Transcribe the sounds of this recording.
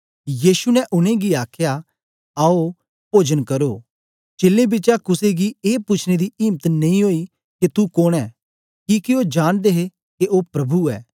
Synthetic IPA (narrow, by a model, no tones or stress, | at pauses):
jiːʃunɛ̃ʔʊnẽɡiaːkʰja | aːo | poːd͡ʒənkɐɾoː | t͡ʃeːlẽbɪt͡ʃakʊseɡieːpʊt͡ʃʰned̪iɪːmət̪nɐ̃ĩɦoːi | ket̪ukoɽ̃ɛː | kiːkiod͡ʒaːɽ̃d̪eɦe | keʔoːpɾɐbʱuɛ̰ː